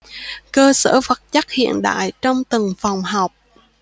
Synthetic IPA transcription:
kəː˧sə̰ː˧˩fə˨˩t̚t͡ɕa˦˥k̚hḭ˧˨ənɗa̰ː˧˨jt͡ɕɔ˧wŋ͡mt̪ə˨˩ŋfa˨˩wŋ͡mɦa˨˩wk͡p̚

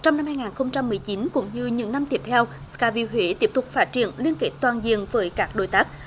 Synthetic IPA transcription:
t͡ɕɔ˧wŋ͡mna˧mhaː˧jŋaː˨˩nxə˧wŋ͡mt͡ɕa˧mːɨ˨˩əjt͡ɕi˨˦nkʊ̰˧˥ŋ͡mɲɨ˧ɲɨ̰˧˥ŋna˧mt̪i˦˥əp̚t̪ʰɛ˧w | skaː˧˩vi˧ɦwe˨˦t̪i˦˥əp̚t̪ʊ˨˩k̚faː˦˥t̚t͡ɕi˧˩˨ənli˧ənke˦˥t̚t̪waː˨˩nzḭ˧˨əŋvəː˨˦jkaː˦˥k̚ɗo̰˧˩˨jt̪aː˦˥k̚

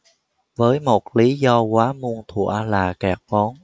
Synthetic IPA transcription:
vəː˨˦jmo˨˩t̚li˨˦zɔ˧kwaː˨˦mu˧əŋt̪ʰṵ˧˩˨əlaː˨˩kaː˨˧˩k̚ɓɔ˨˦n

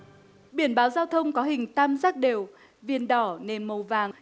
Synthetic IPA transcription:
ɓi˧˩ənɓaː˨˦wzaː˧wt̪ʰə˧wŋ͡mkɔ˨˦ɦï˨˩ŋ̟t̪aː˧mzaː˦˥k̚ɗe˨˩w | vi˧˨ənɗɔ˧˩ne˨˩nmə˨˩wvaː˨˩ŋ

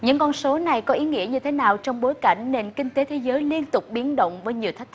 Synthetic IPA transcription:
ɲɨ̰˧˥ŋkɔ˧nso˨˦na˨˩jkɔ˨˦ʔi˨˦ŋḭ˧˥əɲɨ˧t̪ʰe˨˦naː˨˩wt͡ɕɔ˧wŋ͡mɓo˨˦jka˧˩jŋ̟ne˧˩nkï˧ŋ̟t̪e˨˦t̪ʰe˨˦zəː˨˦jli˧ənt̪ʊ˨˩k͡p̚ɓi˨˦ənɗə̰˧˨wŋ͡mvəː˨˦jɲi˨˩əwt̪ʰk̪̚ʰ

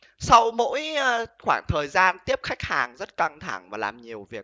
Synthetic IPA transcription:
sa˧wmo̰˧˥jxwaː˧˩ŋt̪ʰəː˨˩jzaː˧nt̪i˦˥əp̚xa˦˥jk̚haː˨˩ŋzə˦˥t̚ka˧ŋt̪ʰa˧˩ŋvaː˨˩laː˨˩mɲi˨˩əwvi˨˩ək̚

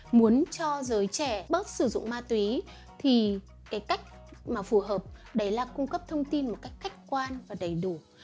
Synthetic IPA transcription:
mu˨˦ənt͡ɕɔ˧zəː˨˦jt͡ɕɛ˧˩ɓə˦˥t̚sɨ˧˩zʊ̰˧˨ŋ͡mmaː˧t̪wi˨˦ | t̪ʰi˨˩ | kaː˨˦jka˦˥jk̟̚ | maː˨˩fu˧˩ɦəː˨˩p̚ɗə˨˦jlaː˨˩kʊ˧ŋ͡mkə˦˥p̚t̪ʰə˧wŋ͡mt̪i˧nmo˨˩t̚ka˦˥jk̟ka˦˥jk̟̚kwaː˧nvaː˨˩ɗə˨˩jɗu˧˩

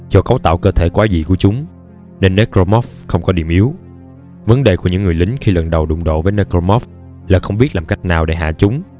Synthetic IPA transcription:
zɔ˧kə˨˦wt̪a̰ː˧˨wkəː˧t̪ʰe˧˩kwaː˨˦zḭ˧˨ku˧˩ət͡ɕʊ˨˦ŋ͡m | ne˧nːe˦˥kɾo˧mɔ˦˥f | xə˧wŋ͡mkɔ˨˦ɗḭ˧˩əmʔi˨˦əw | və˨˦nɗḛ˨˩ku˧˩əɲɨ̰˧˥ŋːɨ˨˩əjlï˨˦ŋ̟xi˧lə˨˩nɗə˨˩wɗʊ̰˧˨ŋ͡mɗo̰˧˨vəː˨˦jne˧kɾo˧mɔ˦˥f | laː˨˩xə˧wŋ͡mɓi˦˥ət̚laː˨˩ŋ͡mka˦˥jk̟̚naː˨˩wɗḛ˧˩˦ɦa̰ː˧˨t͡ɕʊ˨˦ŋ͡m

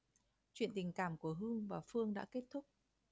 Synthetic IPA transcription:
t͡ɕwḭ˧˨nt̪ï˨˩ŋ̟kaː˧˩mku˧˩əɦɨ˧əŋvaː˨˩fɨ˧əŋɗa̰ː˧˥ke˦˥t̚t̪ʰʊ˦˥k͡p̚

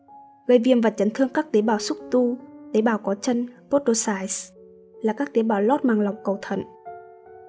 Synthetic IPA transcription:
ɣə˨˩jvḭ˧˨əmvə˨˩t̚t͡ɕə˨˦nt̪ʰɨ˧əŋkaː˦˥k̚t̪ie˨˦ɓaː˧˩wsʊ˦˥k͡p̚t̪u˧t̪e˨˦ɓaː˧˩wkɔ˨˦t͡ɕə˧npo˦˥t̚o˧saː˧js | laː˨˩kaː˦˥k̚t̪i˨˦ɓaː˧˩wlɔ˦˥t̚maː˧˩ŋla˨˩wŋ͡mkə˨˩wt̪ʰə̰˧˨n

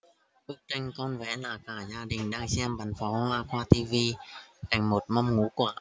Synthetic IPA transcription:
ʔɨ˦˥k̚t͡ɕa˧jŋ̟kɔ˧nvɛ̰˧˥laː˨˩kaː˧˩zaː˧ɗï˨˩ŋ̟ɗaː˧ŋsɛ˧mɓa˨˩ŋfɔ˨˦laː˧kwaː˧t̪i˧vi˧t̪a˨˩jŋ̟mo˨˩t̚mɔ˧wŋ͡mŋu˨˦kwaː˧˩

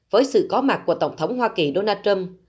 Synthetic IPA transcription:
vəː˨˦jsɨ̰˧˨kɔ˨˦ma˨˩t̚kːu˧˩ət̪ə˧˩wŋ͡mt̪ʰə˨˦wŋ͡mɦwaː˧ki˨˩ɗo˧naː˧t͡ɕə˧m

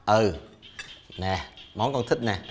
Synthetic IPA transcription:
ʔəː˧˩ | nɛ˨˩mɔ˨˦nkɔ˧nt̪ʰi˦˥t̚nɛ˨˩

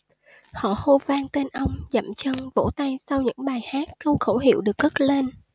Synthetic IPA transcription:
hɔ̰˧˨ho˧vaː˧ŋt̪e˧nʔə˧wŋ͡mzə̰˧˩mt͡ɕə˧nvo̰˧˥t̪a˧jsa˧wɲɨ̰˧˥ŋɓaː˨˩jhaː˦˥kːə˧wxə˧˩wɦḭ˧˨wɗɨ˨˩ək̚ɣə˦˥t̚le˧n

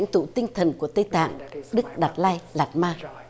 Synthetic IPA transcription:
ŋt̪ṵ˧˩t̪ï˧ŋ̟t̪ʰə˨˩nku˧˩ət̪ə˧jt̪a̰ː˧˨ŋɗɨ˦˥k̚ɗa˨˩t̚laː˧jlaː˨˩t̚maː˧

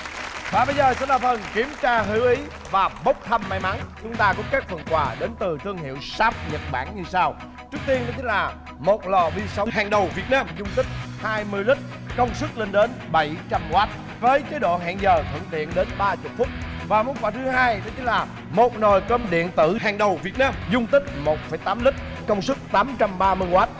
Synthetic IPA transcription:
ɓaː˨˩ɓə˧jzəː˨˩sɛ̰˧˥ɗaː˨˩fə˨˩nki˨˦əmt͡ɕaː˧ɦɨ˨˦ʔi˨˦ | vaː˨˩ɓə˦˥k͡p̚t̪ʰə˧mːa˨˦jma˨˦nt͡ɕʊ˨˦ŋ͡mt̪aː˧kʊ̰˧˥ŋ͡mka˦˥t̚fə˨˩nkwaː˨˩ɗe˨˦nt̪ɨ˨˩t̪ʰɨ˧əŋhḭ˧˨əwsaː˦˥p̚ɲə˨˩t̚ɓaː˧˩nɲɨ˧saː˧w | t͡ɕɨ˦˥ək̚t̪i˧ənɗɔ˨˦t̪e˨˦laː˨˩ | mo˨˩t̚lɔ˨˩ɓi˧sə˨˦ɦaː˨˩ŋɗə˨˩wvi˨˩ət̚naː˧mzʊ˧ŋ͡mt̪ï˦˥k̚haː˧jmɨ˧əjlï˦˥k̟̚ | kə˧wŋ͡msɨ˦˥k̚lï˧ŋ̟ɗe˨˦nɓə˨˩jt͡ɕa˧mɣwaː˦˥t̚ | vəː˨˦jt͡ɕe˨˦ɗo̰˧˨ɦa̰ː˧˨ŋzəː˨˩t̪ʰɨ̰˧˩ŋt̪ḭ˧˨ənɗe˨˦nɓaː˧t͡ɕʊ˨˩k͡p̚fʊ˦˥t̚ | vaː˨˩mu˨˦nkwaː˧˩t̪ʰɨ˨˦ɦaː˧jɗɔ˨˦t̪i˨˦laː˨˩ | mo˨˩t̚no˨˩jkə˧mɗḭ˧˨ənt̪ɨ̰˧˩ɦaː˨˩ŋɗə˨˩wvi˨˩ət̚naː˧mzʊ˧ŋ͡mt̪ï˦˥k̚mo˨˩t̚fə˨˧˩jt̪aː˨˦mlï˦˥k̟̚ | kə˧wŋ͡msɨ˦˥k̚t̪aː˨˦mt͡ɕa˧mɓaː˧mɨ˧əjɣwaː˦˥t̚

